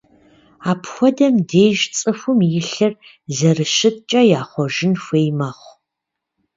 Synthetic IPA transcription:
aːpʰxʷɔdɐmdeːʒt͡sʼɨfʷʊmjɪɬɨr | zɐrɨʃɨt̚t͡ʃʼɐjaːχʷɔʒɪnxʷeːjmɐχʷ

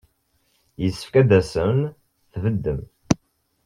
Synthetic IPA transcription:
jəsːə̥fkæd̪æsəmn | θvəd̪ːəm

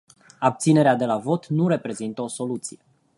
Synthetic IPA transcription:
ab̚t̪sine̞ɾead̪e̞lavo̞t̪nuɾe̞pɾe̞zint̪əo̞so̞lut̪sije̞

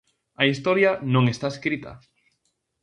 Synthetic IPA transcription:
ɐist̪ɔɾjɐnõŋest̪aeskɾit̪ɐ̰

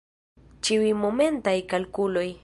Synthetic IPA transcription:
t͡ʃiwijmo̞me̞ntajkalkulo̞j

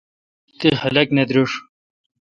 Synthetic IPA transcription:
t̪ihɐlɐkned̪ɾuʂ

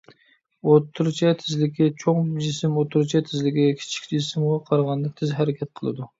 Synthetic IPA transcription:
ot̪ʰːuɾt͡ʃʰɛt̪ʰɪzlɪkʲɛt͡ʃʰoŋd͡ʒisɪmot̪ʰːuɾt͡ʃʰɛt̪ʰɪzlɪkʲɛkʲʰi̥t͡ʃʰi̥kʲd͡ʒɪsɪmʁɑqʰɑɾʁɑnd̪ɨk̚ʲt̪ʰɪzɦæɾɪkʲʰɛt̪̚qʰəlˠɨ̰d̪u

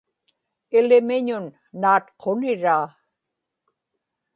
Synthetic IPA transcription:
ɪlɪmɪɲʊnː | aːt̪qʰonɪɻaː

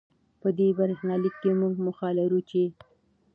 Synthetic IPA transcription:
pəd̪ebaɾxnɑlikːemuɡmʊxɑlaɾut͡ʃe

